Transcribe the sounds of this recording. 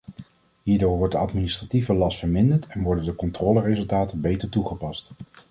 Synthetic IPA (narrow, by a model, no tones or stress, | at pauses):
ɦiːɹdoːɹʋɔɹt̚dəɑtministrativəlɑstfəɹmɪndəɹtɛnʋɔɹdəndəkɔntrɔːlərezɵlˠtaːtənbejtəɹtuχəpɑst